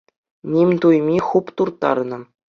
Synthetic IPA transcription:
nʲimʲt̪ujmʲiχupt̪urt̪ɑ̰rnɤ̆

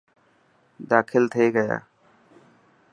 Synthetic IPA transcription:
d̪aːkʰɪlt̪ʰeːɡəja̰ː

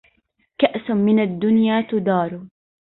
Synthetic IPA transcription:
kaʔsmɪnad̪ːʊnjaːt̪ʊd̪ɑːɾˤu

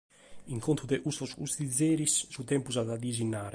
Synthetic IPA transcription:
iŋkont̪uðɛʔust̪ɔsṵst̪id̪zːɛːɾissut̪ɛmpuzaðad̪izinːaːɾɛ

